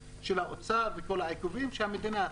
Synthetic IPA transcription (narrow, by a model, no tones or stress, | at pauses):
ʃelhaʔot͡saveko̞laakuvimʃehamid̪ina